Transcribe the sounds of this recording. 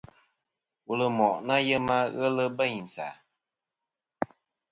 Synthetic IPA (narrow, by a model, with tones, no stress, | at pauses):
wu˨lə˨mɔ˨ʔna˦jɛ˦ma˦ɣə˦lə˦bə˦˨ɲi˨n˨sa̰˨